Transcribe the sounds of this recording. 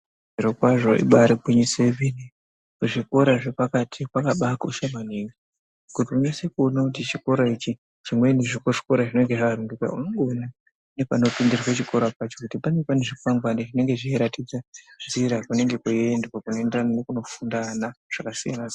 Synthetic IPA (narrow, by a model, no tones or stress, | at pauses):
iɾokwaʐo̞ḭɓaɾikiɲisevini | kuʐiko̞ɾaʐe̞pakatʰikwakaɓakoʃamaniŋɡi | kutiuɲasekuonakut̬it͡ʃiko̞ɾait͡ʃi | t͡ʃimweneʐikoʐi̥koɾaʐinoiŋɡeʐakaɾuŋɡeka̰unoŋɡona | ne̞pano̞pindirixet͡ʃiko̞ɾapat͡ʃo̞kutipanepaneʐikuaŋɡwandeʐine̞ŋɡe̞ʐieɾatid͡zanziɾakune̞ŋɡe̞kuendakakunoendrananekuno̞fundanaʐ̥akasija̰na